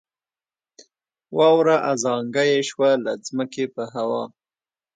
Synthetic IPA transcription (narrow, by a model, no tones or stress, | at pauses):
wɑwɾaʔazɑŋɡajeʃwalazməkepəɦawɑ̰